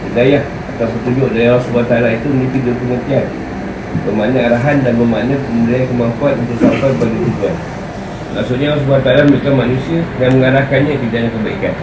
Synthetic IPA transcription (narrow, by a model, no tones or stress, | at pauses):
bədajah | at̪apət̪ud͡ʒʊʔdajaɾasbuat̪aalait̪uməlit̪id͡ʒʊpəŋət̪ian | bəmanaaɾaɦandanbəma̰napəməliankəmaŋkuanunt̪ʊʔsafat̚baɡit̪uduan | lʔa̰ŋsuʔɲalas̬buat̪aalaməɾikanmanũsiaɡaŋməŋaɾakanɲãkəd͡ʒanakəbaikan